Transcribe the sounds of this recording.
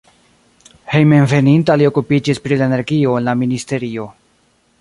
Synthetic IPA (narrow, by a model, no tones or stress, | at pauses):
he̞jme̞nve̞nintalio̞kupid͡ʒispɾilaene̞ɾɡio̞enlaministe̞ɾio̞